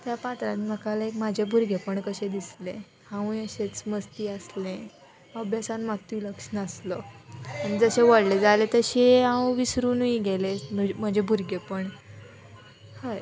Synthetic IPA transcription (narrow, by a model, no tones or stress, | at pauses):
t̪japat̪ɾãnim̤əkalaekmad͡ʑʱebʱuɾɡʱepəɳkəɕed̪islẽ | hãũjəɕet͡sməst̪iːəslẽ | əbjasanmat̪uləkʂəɳəːslɔañid͡zəɕeʋəɽled͡zalet̪əɕeɦãʋũʋisɾuːnʋiɡelem̤əd͡ʑʱebʱuɾɡʱepəɳ | həj